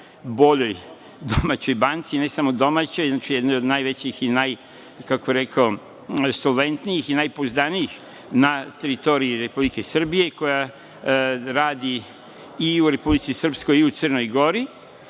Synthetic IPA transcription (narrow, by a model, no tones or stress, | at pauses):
bo̞ʎo̞j | d̪omat͡ɕo̞jbant̪sine̞samod̪o̞mat͡ɕo̞jznat͡ʃijd̪nojo̞d̪najʋe̞t͡ɕixinaj | kakobiɾe̞kao | solˠʋe̞nt̪nijixinajpozd̪anijix | nat̪e̞ɾit̪o̞ɾiiɾe̞publike̞sr̩bije̞ko̞ja | ɾaːd̪i | iuɾe̞publit̪sisr̩psko̞jiut̪sərno̞jɡo̞ɾi